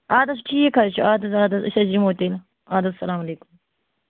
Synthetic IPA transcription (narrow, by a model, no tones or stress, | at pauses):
aːd̪ɐs̬ʈʰiːekʰɐɾt͡ʃʰuaːd̪ɐsaːd̪ɐsɐ̰sɐd͡ʒimoːt̪el | aːd̪ɐsɐlaːmɐleːkum